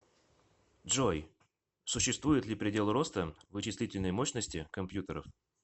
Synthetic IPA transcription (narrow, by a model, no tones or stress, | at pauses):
ʐoj | sʊɕːɪst̪vujɪt̪lʲɪpɾʲɪdʲe̞lˠɾo̞st̪əvɨt͡ɕɪsʲlʲitʲɪlʲnəjmoɕnəsʲtʲɪkɐmpjut̪əɾə̰f